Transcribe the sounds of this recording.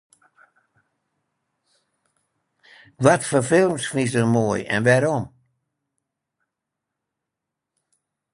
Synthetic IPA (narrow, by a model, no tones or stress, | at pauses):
ʋɔtfəfɪlˠmsfis̬dərmoːjɛ̰nʋɛɾɔm